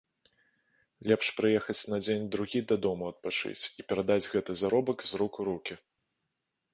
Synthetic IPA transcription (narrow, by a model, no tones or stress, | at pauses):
lʲɛpʂpɾɨjɛxɐt͡sʲnɐd͡zʲenʲd̪ɾuɣʲid̪ɐd̪ɔmuɐt̪̚pat͡ʂɨ̰t͡sʲipʲɛɾad̪ad͡zʲɣɛt̪ɨzaɾɔbɐkzɾukuɾukʲi